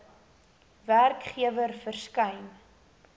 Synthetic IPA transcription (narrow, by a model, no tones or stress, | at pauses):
værkχiəvərfərskɐjn